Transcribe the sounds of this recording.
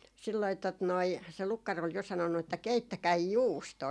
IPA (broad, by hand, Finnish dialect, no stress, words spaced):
silːoi tot noi se lukːɑr ol jo sɑnonːu etːæ keitːækæi juːstoː